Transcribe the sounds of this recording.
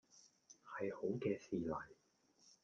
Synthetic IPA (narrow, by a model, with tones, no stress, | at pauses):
hɐ˨jho˨˥wkɛː˧siː˨lɐ˨˩j